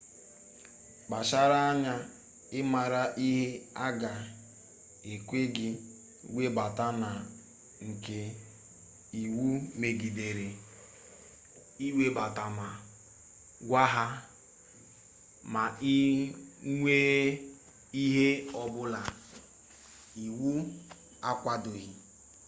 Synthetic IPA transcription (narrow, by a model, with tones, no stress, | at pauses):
k͡pa˨ʃa˦ɾa˦a˦ɲa˦ | ɪ˦ma˨ɾa˦ʔi˦ɦe˦a˦ɡa˨ | e˨kʷe˦ɡɪ˦ | we˦ba˨ta˦na˨ | ŋ̩˨ke˨ | i˨wu˦me˨ɡi˨de˨ɾe˨ | i˦we˦ba˨ta˨ma˨ | ɡʷa˦ɦa˦ | ma˨i˦ | ŋʷe˦ | i˦ɦe˦ɔ˨bʊ˦la˨ | i˨wu˦ | a˦kʷa˦dʊ˨ɣi˨